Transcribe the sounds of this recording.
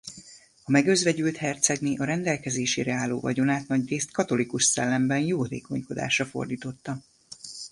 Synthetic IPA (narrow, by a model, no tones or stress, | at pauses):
ɒmɛɡøzvɛɟylt̪hɛrt̪sɛɡniʔɒɾɛnd̪ɛlkɛzeːʃeːɾɛaːlːo̰ːvɒ̰ɟo̞naːt̪nɒɟreːst̪kɒt̪o̞likuʃsɛlːɛmbɛnjoːd̪eːko̞ɲko̞d̪a̰ːʃrɒfo̞̰rd̪iːt̪o̞t̪ːɒ